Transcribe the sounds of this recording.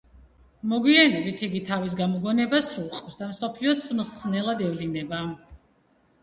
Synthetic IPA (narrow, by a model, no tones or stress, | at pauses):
mɔɡwianɛbit̪ʰiɡit̪ʰavis̬ɡamɔɡɔnɛbasɾulˠqʼvsd̪amsɔpʰliɔsmsχnɛlˠad̪ɛvlinɛba